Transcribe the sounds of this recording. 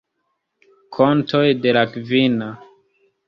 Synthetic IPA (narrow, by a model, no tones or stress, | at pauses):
kʰo̞ntʰo̞jde̞lakvina